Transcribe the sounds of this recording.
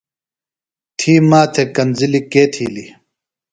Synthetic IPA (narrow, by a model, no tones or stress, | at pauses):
t̪ʰiːmaːt̪ʰekɐnzilikeːt̪ʰiːli